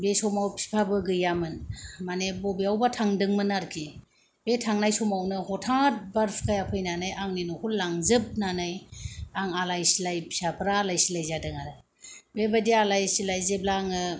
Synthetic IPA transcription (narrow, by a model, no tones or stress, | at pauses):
besɔmawpʰi̥pʰabɯɡɯjamɯnmanebɔbiawbatʰaŋdɯŋmɯnaɾkʰi | betʰaŋnajsɔmawnɯhɔtʰaŋt̚baɾfkajapʰɯjnanajʔaŋninɔkʰullaŋzɯp̚nanajaŋalajsilajpsapʰɾaːlajsilajzadɯŋaɾaj | bebadialajsilajzeb̚laŋɯ